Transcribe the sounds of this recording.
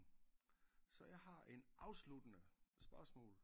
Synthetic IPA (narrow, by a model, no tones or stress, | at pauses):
sɒ̽jɑ̈ɪɦɑ̈ʔe̝nʔɑ̈ʊslud̥ənəsb̥ɶɐsmɔ̰̽ːl